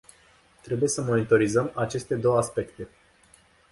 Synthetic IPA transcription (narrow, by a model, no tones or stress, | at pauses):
t̪ɾe̞buje̞səmo̞nit̪o̞ɾizəmat͡ʃe̞st̪e̞d̪o̞wəaspe̞kt̪e̞